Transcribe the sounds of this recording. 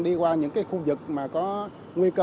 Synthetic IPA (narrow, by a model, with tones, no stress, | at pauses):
ɗi˧kwaː˧ɲɨ̰˧˥ŋkaː˨˦jxu˧zɨ˨˩k̚maː˨˩kɔ˨˦ | ŋwi˧kə˧